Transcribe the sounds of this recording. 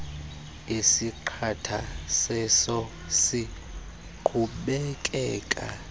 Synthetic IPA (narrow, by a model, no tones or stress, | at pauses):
isiǃʰatʰasɛsɔ | si | ǃʰuɓɛkʼɛːkʼa̰